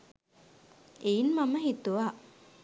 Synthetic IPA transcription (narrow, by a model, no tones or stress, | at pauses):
ʔeinmaməɦit̪uʋa